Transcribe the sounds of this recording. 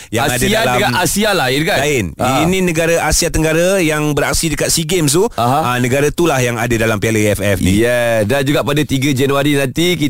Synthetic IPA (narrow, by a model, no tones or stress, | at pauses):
jaŋadadalaaasialaɪnkaaɪninĩnəɡaɾaʔasiat̪əŋɡaɾajaŋbəɾa̰k̚sidəkat̪̚siɡems̬t̪uɦanəɡaɾat̪ulahjaŋadadalampialəɛfɛfnḭjɛsdand͡ʒuɡaʔpadat̪iɡad͡ʒɛnuaɾinãnt̪iki